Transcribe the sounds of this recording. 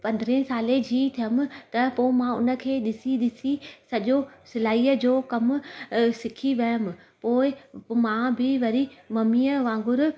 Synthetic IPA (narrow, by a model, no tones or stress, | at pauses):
pɐ̃nd̪ɾẽɦsaːled͡ʑʱiːt̪ʰijəm̆t̪ɐpoːɪmãʊnə̆kʰeːɗɪsiɗɪsisɐʄosɪlaːiːəd͡ʑoːkɐmʊsɪkʰiʋɐjəmɪ̆ | poːɪmãːbɪʋɐɾimɐmiːəʋãːŋɡʊɾ